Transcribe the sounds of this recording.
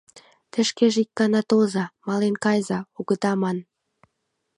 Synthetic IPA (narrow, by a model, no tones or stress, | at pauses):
t̪ə̆ʃkeʒik̚ːɑnɑt̪ozɑmɑlenkɑjzɑuɣə̆t̪ɑmɑn